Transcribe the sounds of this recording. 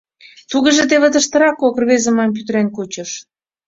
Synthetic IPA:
t̪uɣə̆ʒed̪eβə̆d̪əʃt̪ə̆ɾɑkokrβezə̆mɑmp̬yt̪ɾenkut͡ɕə̆ʃ

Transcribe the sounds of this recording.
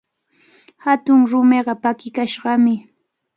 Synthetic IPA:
hat̪ʊŋɾʊmeɢɑpakɪkaʃɢɑmɪ

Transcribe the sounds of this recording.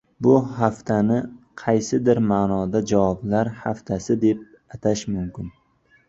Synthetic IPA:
bʊhaft̪ʰanɪ | qʰɑjsɪd̪ɪɾmaːnɒd̪ad͡ʒavɒblaɾhaft̪ʰasɪd̪e̞p̚ | at̪ʰaʃmʊmkʲɪn

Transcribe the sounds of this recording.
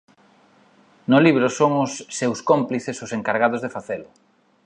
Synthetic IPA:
nʊliβ̞ɾʊsoŋʊsːewskompliθesʊseŋkaɾɣaðʊzðefaθelʊ

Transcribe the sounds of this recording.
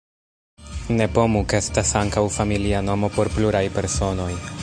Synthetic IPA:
ne̞po̞mukestasaŋkawfamiliano̞mo̞po̞ɾpluɾajpe̞ɾso̞no̞j

